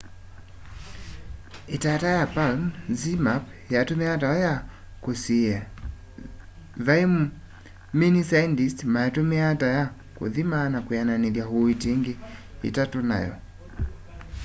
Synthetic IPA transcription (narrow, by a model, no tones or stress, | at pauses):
etatajapalnzimapjatomeataɔja | kosia | ðaim | minisandistmajatomeataja | ko̰ðimanakwjananeðjaɦoiteŋɡeḭtatona̰jɔ̰